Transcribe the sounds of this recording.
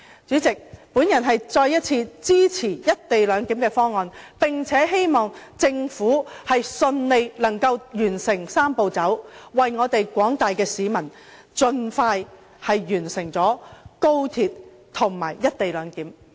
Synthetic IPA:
t͡syː˨˥t͡sɪ˨k̚puː˨˥njɐ˨˩nɦɐ˨jt͡sɔː˧jːɐ˥t̚t͡sʰiː˧t͡siː˥t͡sʰiː˨˩jɐ˥t̚t̪e˨jlœː˨˧˥ŋki˨˥mkɛː˧fɔː˥ŋːɔː˨npɪ˨ŋt͡sʰɛː˨˥ɦe˥jmɔː˨ŋt͡sɪ˧ŋfuː˨˥hɐ˨jsɵ˧nle˨jlɐ˨˩ŋkɐ˧wjyː˨˩nsɪ˨˩ŋsaː˥mpo˨˧wt͡sɐ˨˥wwɐ˨jŋɔː˨˧t̪e˨jkʷɔː˨˥ŋt̪aː˨jkɛː˧siː˨˧mɐ˨˩n | t͡sɵ˧nfaː˧j | hɐ˨jjyː˨˩nsɪ˨˩ŋt͡sɔː˨˥ko˥wt̪ʰiː˨t̚ | t̪ʰʊ˨˩ŋma̰ː˨˩jːɐ˥t̚t̪e˨jlœː˨˧ŋkiː˨˥m

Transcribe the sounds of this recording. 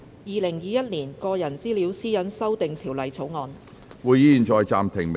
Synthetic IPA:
jiː˨˧lɪ˨˩ŋjiː˨˧jɐ˥t̚niː˨˩nkɔː˧jɐ˨˩nt͡siː˥liː˨˥wsiː˥jɐ˨˥nsɐ˥wt̪ɪ˨ŋt̪ʰiː˨˩wlɐ˨jt͡sʰo˨˥wŋɔː˨˧n | wuː˨˧ji˧iː˨˩nt͡sɔː˧jt͡sa̰ː˨˧mt̪ʰɪ˨˩ŋm

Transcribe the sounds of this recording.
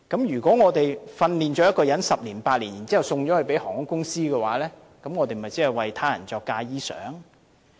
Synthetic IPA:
kɐ˨˥mjyː˨˩kʷɔː˨˥ŋɔː˨˧t̪e˨jfɐ˧nliː˨nt͡ʃɔː˨˥jɐ˥t̚kɔː˧jɐ˨˥nsɐ˨p̚liː˨˩npaː˧t̚liː˨˩njiː˨˩nt͡siː˥hɐ˨wsʊ˧ŋt͡ʃɔː˨˥hɵ˨ɥpe˨˥jhɔː˨˩ŋʊ˨˥kʊ˥ŋsiː˥kɛː˧wa̰ː˨˥lɛː˥ | kɐ˨˦˥mŋɔː˨˧t̪e˨jmɐ˨˩jt͡si˨˥hɐ˨˩jwɐ˨jt̪ʰaː˥jɐ̰˨˩nt͡sɔː˧kːaː˧jiː˥sœ̰ː˨˥ŋ

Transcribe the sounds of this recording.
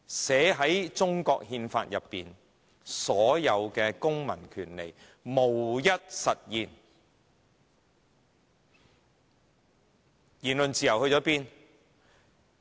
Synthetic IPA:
sɛː˨˥ɦɐ˨˥jt͡ʃt͡sʊ˥ŋkɔː˧k̚hiː˧nfa̰ː˧t̚jɐ˨pːḭː˨n | sɔː˨˥jɐ˨˧wkɛː˧kʊ˥ŋmɐ̰˨˩nkʰyː˨˩nle˨˩j | mo˨˩wjɐ˥t̚sɐ˨t̚jiː˨n | jiː˨˩nlɵ˨nt͡siː˨˩jɐ˨˩whɵ˧ɥt͡ʃɔː˨˥piː˥n

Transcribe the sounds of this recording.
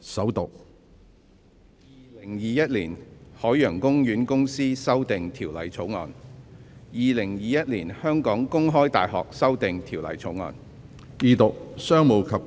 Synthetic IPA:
sɐ˨˥wt̪ʊ˨k̚ | jiː˨lɪ˨˩ŋjiː˨jɐ˥t̚liː˨˩nhɔː˨˥jœː˨˩ŋkʊ˥ŋjyː˨˥nkʊ˥ŋsiː˥sɐ˥wt̪ɪ˨ŋt̪ʰiː˨˩wlɐ˨˩jt͡sʰo˨˥wŋɔ̰ː˨n | jiː˨lɪ˨˩ŋjiː˨jɐ˥t̚liː˨˩nhœː˥ŋkɔː˨˥ŋkʊ˥ŋɦɔː˥jt̪a̰ː˨jɦɔ̰ː˨k̚sɐ˥wt̪ɪ˨ŋt̪ʰiː˨˩wlɐ̰˨˩jt͡sʰo˨˥wŋɔ̰ː˨˧n | jiː˨˧t̪ʊ˨k̚sœː˥ŋmo˨˧wkʰɐ˨p̚

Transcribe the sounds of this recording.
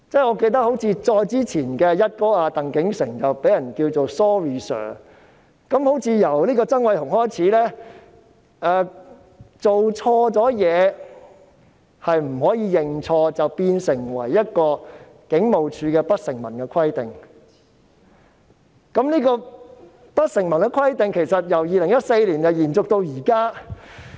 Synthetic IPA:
t͡sɛː˥ŋɔː˨˧ke˧jt̪̬ɐ˥k̚ho˨˥wt͡sʰiː˧t͡ʃɔː˧jt͡siː˥t͡sʰiː˨˩nkɛː˧jɐ˥t̚kɔː˥aː˧t̪ɐ˨ŋkɪ˨˥ŋsɪ̰˨˩ŋt͡sɐ˨wpe˨˥jɐ˨˩nkiː˧wt͡so˨wstɔː˥ɹiː˨sœ̰ː˨˩ | kɐ˨˥mho˨˥wt͡sʰiː˨˧jɐ˨˩wliː˥kɔː˧t͡sɐ˥ŋwɐ˨˥jthʊ˨˩ŋhɔː˥jt͡sʰiː˨˥lɛː˥ | ɛː˧ | t͡so˨wt͡ʃʰɔː˧t͡sɔː˨˥jɛː˨˧ | hɐ˨jm̩˨˩hɔː˨˥jiː˨˧jɪ˨ŋt͡sʰɔː˧t͡sɐ˨wpiː˧nsɪ˨˩ŋwɐ̰˨˩jːɐ˥t̚kɔː˧ | kɪ˨˥ŋmo˨wt͡ʃʰyː˧kɛː˧pɐ˥t̚sɪ˨˩ŋmɐ̰˨˩nkɛː˧kʰɐ˥jt̪ɪ˨˩ŋ | kɐ˨˥mniː˥kɔː˧ | pɐ˥t̚sɪ˨˩ŋmɐ˨˩nkɛ˧kʰwɐ˥jt̪ɪ˨˩ŋkʰe˨˩jsɐ˨t̚jɐ˨˩wjiː˨lɪ˨˩ŋjɐ˥t̚se˧jliː˨˩njɐ˨jiː˨˩nt͡sʊ˨k̚t̪o˧wjiː˨˩kaː˥

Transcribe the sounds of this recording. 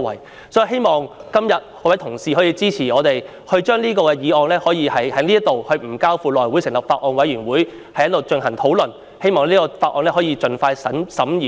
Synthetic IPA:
wɐ̰˨˩j | sɔː˨˥ji˨˧ɦe˥jmɔː˨ŋkɐ˥mjɐ˨t̚ɔː˨˧˥wt̪ʰʊ˨˩ŋsiː˨ɦɔː˨˥jiː˧t͡siː˥t͡sʰiː˨˩ɔː˨˧t̪e˨j | hɵ˧t͡ʃœː˥ŋliː˥kɔː˧kɛː˧jiː˨˧ɔː˧ŋlɛː˥hɔː˨˥jiː˧hɐ˨jhɐ˨˥jliː˥t̪o˨whɵ˧ɥm̩˨˩kaː˥wfuː˨˧lɔː˨˩jwuː˨˥jsɪ˨˩ŋlɐ˨p̚faː˧t̚ʔɔː˧nwɐ˨˥jɥyː˨˩nwuː˨˥j | hɐ˨jːɐ˥t̚lːo˨wt͡ʃɵ˧nɦɐ˨˩ŋt̪ʰo˨˥wlɵ˨n | he˥jmɔː˨˧ŋɛliː˥kɔː˧faː˧t̚ʔɔː˨˧nlɛː˥ɦɔː˨˥jiː˧t͡ʃɵ˨nfaː˧jsɐ˨˥nsɐ˨˥miː˨

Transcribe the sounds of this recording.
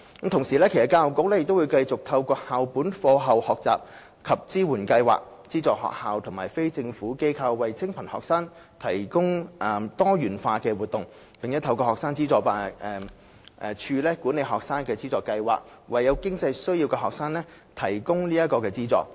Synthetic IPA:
kɐ˨˥mt̪ʰʊ˨˩ŋsiː˨˩lɛː˥kʰe˨˩sɐ˨tkaː˧wʊ˨˩kːʊ˧k̚lɛː˥jɪ˨kt̪o˥wuː˨˧jkɐ˧jt͡sʊ˨k̚t̪ʰɐ˧wkɔː˧haː˨wpuː˨˥nfɔː˧ɦɐ˨˩whɔː˨k̚t͡sa̰ː˨p̚ | kʰɐ˨p̚t͡siː˥wuː˨˩nkɐ˧jwa̰ː˨˩k̚ | t͡siː˥t͡sɔː˨k̚hɔ̰ː˨k̚haː˨wt̪ʰʊ˨˩ŋma̰ː˨˩jfe˥jt͡sɪ˧ŋfuː˨˥ke˥jkʰɐ˧wːɐ˨jt͡sʰɪ˥ŋpʰɐ˨˩nhɔ̰ː˨k̚saː˥ŋ | t̪ʰɐ˨˩jkʊ˥ŋʔɛ˨t̪ɔː˥jyː˨˩nfaː˧kɛː˧wuː˨t̪̚ʊ˨ŋ | jɐ˨ŋjɐ˥t̪ʰɐ˧wkɔː˧hɔː˨k̚saː˥ŋt͡siː˥t͡sɔː˧paː˨˧ɛː˨˩ | ʔɛ˨˧t͡ʃʰyː˧lɛː˥kuː˨˥ne˨˧jɦɔː˨k̚saː˥ŋkɛː˧t͡siː˥t͡sɔː˨˧kːɐ˧jwa̰ː˨k̚ | wɐ˨jːɐ˨˧wkɪ˥ŋt͡sɐ˧jsɵ˥ɥjiː˧wkɛː˧ɦɔː˨k̚saː˥ŋlɛː˥ | t̪ʰɐ˨˩jkʊ˥ŋniː˥ɐ˥t̚kɔː˧kɛː˧t͡siː˥t͡sɔ̰ː˨˩k̚

